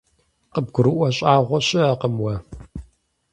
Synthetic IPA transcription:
qəb̚ɡʷʊɾɨʔʷɔɕʼaːʁʷɔɕɪɐqəmwɐ

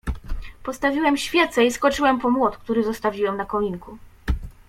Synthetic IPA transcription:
pɔst̪avʲiwɛmɕfʲjɛt̪sɛiskɔt͡ʂɘwɛmpɔmwɔt̪kt̪uɾɘzɔst̪avʲiwɛmnakɔɲʲiŋku

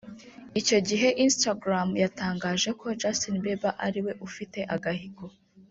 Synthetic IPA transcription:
ico̞ɟiɦe̞ʔinstaɡɾamjataːŋɡaːʒe̞kʰo̞d͡ʒasonbebaʔaɾiwe̞ʔufite̞ʔaɡahiɡo

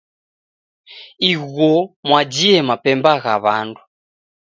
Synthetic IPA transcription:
iɣɔmwad͡ʒiɛmapɛmbaɣaβandu

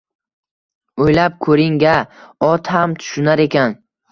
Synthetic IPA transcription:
ojlap̚kʰɵɾɪŋɡʲaɒt̪hamt̪ʰʊ̥ʃʊnaɾe̞kʲʰan

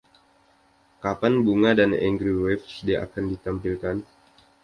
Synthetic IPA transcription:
kapanbuŋadanɛ̰ŋɡɾiwɛfsdiʔa̰kandit̪ampilkan

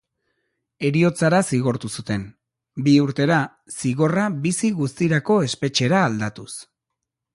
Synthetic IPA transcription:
e̞ɾio̞t͡saɾasiɣo̞ɾt̪usut̪e̞n | biuɾt̪e̞ɾa | siɣo̞raβisiɣust̪iɾako̞e̞spe̞t͡ʃe̞ɾaːld̪at̪us

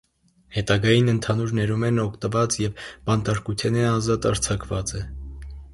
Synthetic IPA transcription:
hɛt̪ɑɡɑjinənt̪ʰɑnuɾnɛɾumɛnɔkʰt̪əvɑt͡sjɛvbɑnt̪ɑɾkut̪ʰɛnɛɑzɑt̪ɑɾt͡sʰɑkʰvɑt͡sɛ

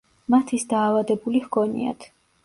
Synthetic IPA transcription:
mat̪ʰisd̪aːvad̪ɛbulihɡʰɔnḭa̰t̪ʰ

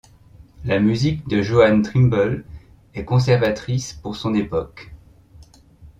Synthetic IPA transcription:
lamyzikd̪əʒoant̪χimbɔl | ɛkɔ̃s̬ɛʁvat̪χispuʁsɔ̃nepɔk

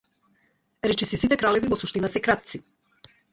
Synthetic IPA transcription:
ɾɛt͡ʃisisit̪ɛkɾalɛvivɔsuʃt̪inasɛkɾat̪̚si

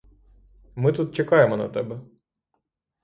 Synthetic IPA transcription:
mɪt̪ut̪̚t͡ʃekɑjemɔnɐ̰t̪ɛbɛ

